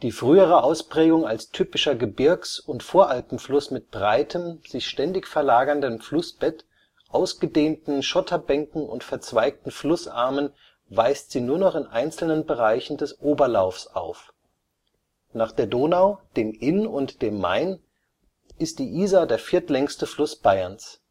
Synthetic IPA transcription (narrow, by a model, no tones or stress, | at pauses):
d̥iːfʁ̥yːəʁ̞əʔaʊspʁ̥ɛːɡʊŋalstʰyːpɪʃɐɡəbɪɐksʊntfoːɐʔalpm̩flʊsmɪt̚b̥ʁaɪtʰəmz̥ɪçʃtɛndɪçfɛɐlaːɡɐndənflʊsb̥ɛt | ʔaʊsɡ̥ədeːntn̩ʃɔtʰɐbɛŋkŋ̩ʊ̰ntfɛɐt͡sv̥aɪk̚tn̩flʊsʔa̰ɐmən | vaɪstz̥iːnuːɐnɔχɪnʔaɪnt͡sl̩nənbəʁaɪçn̩dɛsʔoːbɐlaʊfsʔa̰ʊf | naːχd̥eːɐdoːnaʊd̥eːmʔɪnʊntd̥eːmːa̰ɪn | ʔɪst̚d̥iːʔiːzadeːɐfɪɐtlɛŋstəflʊsb̥aɪɐns